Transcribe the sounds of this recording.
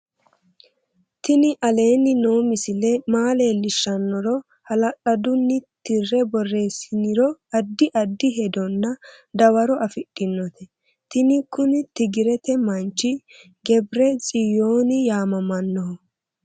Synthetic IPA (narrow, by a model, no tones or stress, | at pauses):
t̪ɪnɪʔɐle̞ːnːɪno̞ːmɪsɪlɛmaːleːlɪʃːɐnːɔɾɔ | hɐlɐɗɐd̪ʊnːɪt̪ɪrːɛbɔrːe̞ːsɪnɪɾɔɐd̪ːɪʔɐd̪ːɪɦɛd̪ɔnːɐd̪ɐwɐɾɔʔɐfɪɗʼːɪnːɔt̪ɛ | t̪ɪnɪkːʊnɪt̪ɪɡɪɾɛt̪ɛmɐnt͡ʃːɪ | ɡɛbɾɛt͡sʼɪjo̞ːnɪjaːmɐmɐnːɔɦɔ